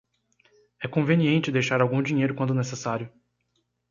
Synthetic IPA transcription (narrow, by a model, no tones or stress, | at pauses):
ɛkõveniẽnt͡ʃɪd̪ejʃaɾawɡũd͡ʒĩɲejɾʊkwɐ̃nd̪ʊnesesaɾjʊ